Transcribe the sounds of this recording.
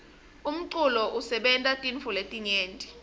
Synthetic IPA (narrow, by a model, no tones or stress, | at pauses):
um̩ǀulɔʔusɛɓɛntʼatʼinfuletʼiɲeːntʼi̥